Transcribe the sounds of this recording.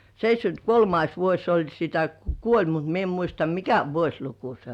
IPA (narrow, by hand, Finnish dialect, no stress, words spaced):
seitʲsʲkynt kolmɑis ʋuosʲ se olʲ sitæ ku kuolʲ mut mie em muistɑ mikæ ʋuosʲluku se